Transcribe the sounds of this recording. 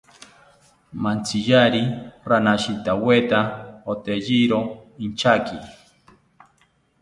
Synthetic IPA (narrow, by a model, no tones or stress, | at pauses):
mant͡sijaɾiɾanaʃit̪awet̪aot̪eʎiɾoint͡ʃaki